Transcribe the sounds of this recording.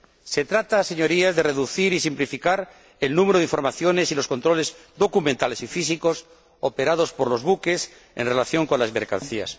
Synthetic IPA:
se̞t̪ɾat̪ase̞ɲo̞ɾiazðereðuθiɾisimplifikaɾ | elnũmeɾoð̞iɱfoɾmaθjo̞ne̞silo̞sko̞nt̪ɾo̞le̞zd̪o̞kumẽnt̪ale̞sifis̬iko̞s | opeɾað̞o̞spo̞ɾlo̞zβuke̞s | e̞̰nrelaθjo̞ŋko̞nlazme̞̰ɾka̰nθia̰s

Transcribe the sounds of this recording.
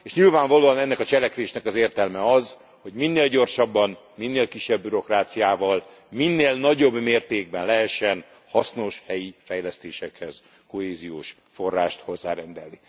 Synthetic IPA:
eːʃɲilvaːɱvɒloːɒnɛnːɛkɒt͡ʃɛlɛkʋeːʃnɛkɒzeːrt̪ɛlmɛɒz | ho̞ɟminːeːlɟo̞rʃɒbːɒn | minːeːlkiʃːɛbːyɾo̞kraːt̪sijaːvɒl | minːeːlnɒɟo̞bːmeːrt̪eːɡ̚bɛnlɛɦɛʃːɛn | hɒsno̞ʃhɛjifɛjlɛst̪eːʃɛkhɛz̥ | ko̞ɦeːzijoːʃ | fo̞rːaːʃt̪ho̞zːaːɾɛnd̪ɛlni

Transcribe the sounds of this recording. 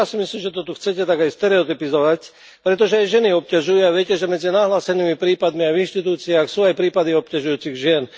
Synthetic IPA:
aːsimisliːmʒɛt̪ɔt̪uxt͡sɛcɛt̪aɡajst̪ɛɾɛɔt̪ipizɔʋac | pɾɛt̪̬ɔʒɛajʒɛniɔp̚caʒujuaʋɪɛcɛʒɛmɛd͡zinaːɦlaːsɛniːmipɾiːpad̪miavinʃt̪it̪uːt͡siaːxsuːajpɾiːpad̪iɔp̚caʒujuːt͡siɣʒɪɛn

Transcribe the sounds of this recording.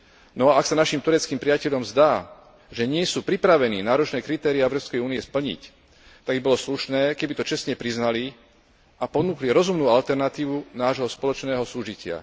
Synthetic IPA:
nɔaaksanaʃimt̪uɾɛt͡skiːmpɾijacɛʎɔmzd̪aː | ʒɛɲɪɛsuːpɾipɾaʋɛniːnaːɾɔt͡ʃnɛːkɾit̪ɛːɾiaɛʊɾɔpskɛjuːniɛspl̩ɲḭc | t̪aɡbibɔlɔsluʃnɛːkɛbit̪ɔt͡ʃɛsɲɛpɾiznali | ʔapɔnuːkliɾɔzumnuːalt̪ɛɾnat̪iːʋunaːʒɦɔspɔlɔt͡ʃnɛːɦɔsuːʒicɪa̰

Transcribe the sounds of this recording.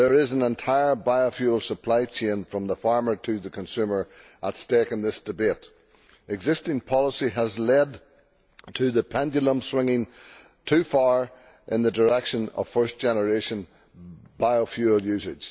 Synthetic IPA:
ðə˞ɪzə̃nɛ̃ntʰaɪə˞baɪəfjʉl̩ˠsəpʰl̥aɪt͡ʃʰẽnfɹʌ̃mðəfaɹmə˞tʰɨðəkʰə̃nsʉmə˞ | ʔətstekɨ̃nðɪsd̥ɨbet | ɪɡzɪstɪ̃ŋpʰɑlˠəsiəzlɛd | tʰɨðəpʰɛ̃nd͡ʒəlˠə̃mswɪ̃ŋɪ̃ŋ | tʰʉfaɹ | ʔɪ̰̃nðədə˞ɛkʃə̃nʌ̰v̥fɜ˞sd̥ʒ̥ɛnə˞eʃə̃n | b̥aɪofjʉl̩ˠjʉsɪd̥ʒ̥

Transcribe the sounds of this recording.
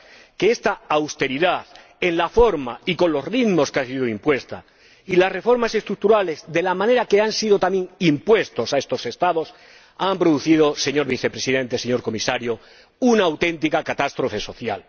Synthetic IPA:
ke̞est̪aawst̪e̞ɾiðaθ | e̞nlafo̞ɾmaiko̞nlo̞sriðmo̞skansiðoimpwe̞st̪a̰ | ilasre̞fo̞ɾmase̞st̪ɾuk̚t̪uɾale̞zd̪e̞lamãne̞ɾake̞ansiðo̞t̪amje̞ŋimpwe̞st̪o̞sae̞st̪o̞se̞st̪aðo̞s | ampɾoðuθið̞o̞se̞ɲo̞ɾβiθe̞pɾe̞siðẽ̞nt̪ese̞ɲo̞ɾko̞misaɾjo | unaːwt̪ẽ̞nt̪̬ikakat̪ast̪ɾo̞fe̞so̞θja̰l

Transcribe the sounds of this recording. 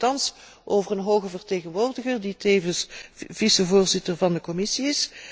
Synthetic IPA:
tɑns | ʔoːvərənɦoːwɣəvərteːɣənʋoːrdəɣərditeːjvənsv̥isəvʊːrzɪtərvɑndəkɔmɪsiɪs

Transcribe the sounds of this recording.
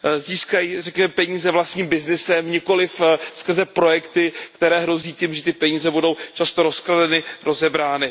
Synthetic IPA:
ziːskajirɛkɲɛmɛpɛɲiːzɛvlast̪ɲiːmbɪznɪsɛmɲɪko̞lɪfskr̩zɛpɾo̞jɛkt̪ɪkt̪ɛɾɛːɦɾo̞ziːciːmʒɛt̪ɪpɛɲiːzɛbudo̞wt͡ʃast̪o̞ɾo̞skladɛnɪɾo̞zɛbɾaːnɪ

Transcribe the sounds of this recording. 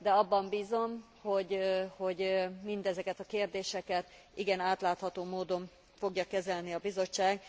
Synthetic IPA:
d̪ɛɒbːɒmbiːzo̞m | ho̞ɟho̞ɟmind̪ɛzɛkɛt̪ɒkeːrd̪eːʃɛkɛt̪ | iɡɛnaːt̪laːt̪hɒt̪oːmoːd̪o̞ɱ | fo̞ɡjɒkɛzɛlniɒbizo̞t͡ʃːaːɡ

